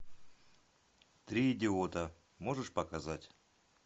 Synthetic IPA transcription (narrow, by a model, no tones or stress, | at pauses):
t̪ɾʲiːdʲɪot̪ə | mo̞ʐɨʂpɐkazatʲ